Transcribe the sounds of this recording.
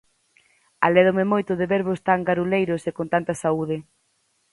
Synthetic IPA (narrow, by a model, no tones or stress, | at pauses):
a̰lɛðomemojt̪ʊðɪβeɾβost̪aŋɡaɾulejɾʊsekont̪ant̪ɐsauðɪ